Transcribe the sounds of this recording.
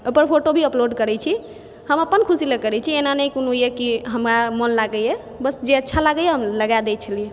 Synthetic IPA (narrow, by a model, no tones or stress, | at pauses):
ojpəɾpʰoʈobʱiəploɖkəɾɛt͡ʃʰi | həməpənkʰusiləkəɾɛt͡ʃʰienanəjkonojekiɦəmɾamənlaɡəje | bəsd͡ʒeətːʃʰalaɡəjɛɦəmləɡad̪ɛt͡ʃʰəlie